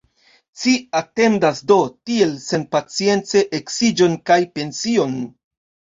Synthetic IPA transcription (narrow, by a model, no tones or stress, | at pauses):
t͡ʃiate̞ndasdo̞tie̞lse̞npat͡sie̞nt͡se̞ʔeksid͡ʒo̞nkajpe̞nsio̞n